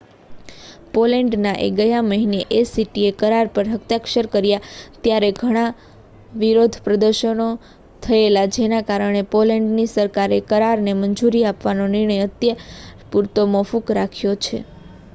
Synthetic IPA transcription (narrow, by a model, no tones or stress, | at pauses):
polɛɳɖnaʔḛɡəjaməɦineʔesiʈiekəɾaɾpəɾɦəkt̪jakʃəɾkəɾjat̪jaɾeɡʱəɽ̃a | ʋiɾod̪ʱpɾəd̪əɾʃəno | t̪ʰəelad͡ʒenakaɾəɽ̃epolɛɳɖnisəɾkaɾekəɾaɾneməɲd͡ʒuɾiapʋanonɪɾɳ̃əjət̪jəpuɾt̪omofukɾakʰjot͡ʃʰḛ